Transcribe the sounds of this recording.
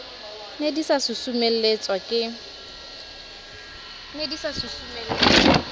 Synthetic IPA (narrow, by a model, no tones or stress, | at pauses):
nedisasʊsumel̩et͡sʼwakʼɪ | nedisasusumelet͡sɔ